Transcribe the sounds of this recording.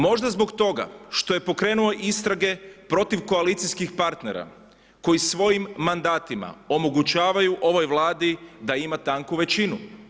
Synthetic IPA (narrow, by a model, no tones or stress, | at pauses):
mo̞ʒd̪azbo̞kt̪o̞ɡa̰ʃt̪o̞je̞po̞kɾe̞ːnuo̞ʔist̪ɾaɡe̞pɾo̞t̪iʋko̞alit̪sijskixpaɾt̪ne̞̰ɾa̰ | ko̞jisʋo̞jimːand̪aːt̪ima̰o̞mo̞ɡut͡ɕaːʋajuʔo̞ʋo̞jʋlˠaːd̪id̪aimat̪aŋkuʋe̞t͡ɕinu